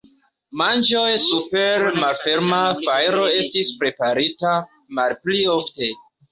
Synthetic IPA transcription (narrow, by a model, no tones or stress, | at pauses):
mand͡ʒo̞jsupeɾmalfe̞ɾmafajɾo̞e̞stispɾe̞paɾita | malpliofte̞